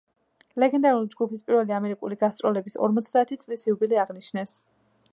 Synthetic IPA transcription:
lɛɡɛnd̪aɾulid͡ʒɡupispʼiɾvɛliamɛɾikʼuliɡast̪sʼɾɔlɛbisɔ̰ɾmɔt̪sʰd̪aːt̪ʰit̪sʼlisiubiliaʁniʃʰnɛs

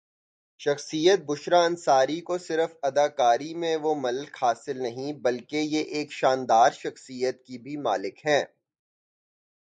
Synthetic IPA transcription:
ʃɐxsijət̪̚bʊʃɾaɐ̃nsaːɾikosɪɾəfɐd̪aːkaːɾimẽʋomɐlkhaːsɪlnɐɦĩbɐlkejeʔeːkʃaːnd̪aːɾʃɐxsijət̪kibʱima̰ːlɪkɦɛ̃ː

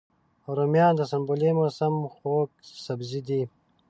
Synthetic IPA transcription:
oɾomjɑːnd̪əsɐmbolemosɐmxoːk̚sɐbzid̪i

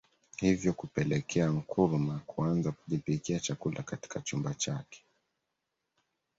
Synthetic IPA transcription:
hivjɔkupɛlɛkʰɛaŋ̩kʰuɾmakuanzakuʄipikiat͡ʃakulʔakati̥kat͡ʃumbat͡ʃakɛ̥

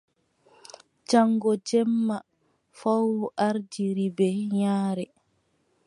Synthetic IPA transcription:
d͡ʒaŋɡɔd͡ʒɛmːa | fawʔaɾd͡ʒiɾibɛɲaːɾɛ

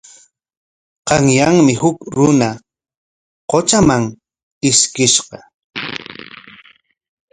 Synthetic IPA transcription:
qɑŋjaŋmɪhʊkɾʊna | qot͡ʃamaŋ | ɪskɪʃqɑ

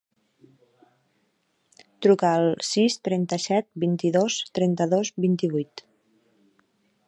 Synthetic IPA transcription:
t̪ɾukaəlˠsist̪ɾɛnt̪əsɛt̪̚bint̪iðost̪ɾɛnt̪əðozbint̪iβujt̪

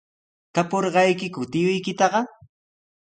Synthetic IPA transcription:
t̪apoɾɢɑjkɪkʊt̪ɪjʊjkɪt̪ɑɢɑ

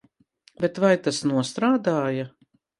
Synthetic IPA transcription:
bɛt̪vajt̪asnuɔst̪ɾaːd̪aːja

